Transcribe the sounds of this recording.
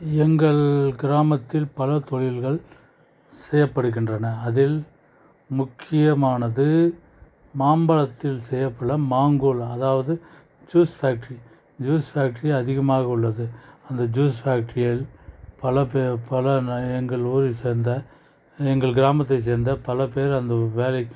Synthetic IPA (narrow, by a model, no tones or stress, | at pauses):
ɛŋɡɐɭɡɪɾaːmɐt̪ːɪlpɐlɐt̪ɔɻɪlɣɐɭ | sɛjːɐpːɐɽɯɣɪndrɐnɐːðɪl | mʊkʰːɪjɐmaːnɐðɯ | maːmbɐlɐt̪ːɪlsɛjːɐpːɐɽɐmaːŋɡoːlɐðaːʋɐðɯ | d͡ʒuːsfaːk̚ʈɾi | d͡ʒuːsfaːk̚ʈɐɾiɐðɪɣɐmaːɣɐʊɭːɐðɯɐnd̪ɐd͡ʒuːsfaːk̚ʈɾɪjɐlpɐlɐpepɐlɐɛŋɡɐɭuːɾiseːɾnd̪ɐ | ɛŋɡɐɭɡɪɾaːmɐt̪̬ːɐɪs̬eːɾnd̪ɐpɐlɐp̬eːɾɐnd̪ɐʋeːlɐɪkː